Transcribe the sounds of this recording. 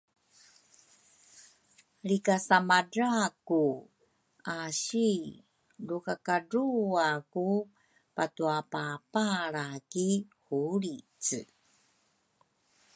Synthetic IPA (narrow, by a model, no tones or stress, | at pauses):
ɭikasamaɖ͡ʐaku | aɕi | lukakaɖ͡ʐuaku | patuapapaɾakihuɾit͡s